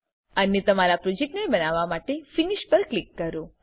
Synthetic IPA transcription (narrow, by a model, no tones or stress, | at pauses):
ənet̪əmaɾapɾod͡ʒek̚ʈnebənaʋamaʈefiniʃpəɾklikːəɾo